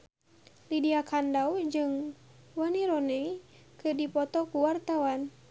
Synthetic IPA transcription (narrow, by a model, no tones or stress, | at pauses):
lidiakʰandawd͡ʒɨŋ | wəniɾɔnɛ | kɨdipɔt̪ɔkuwart̪awan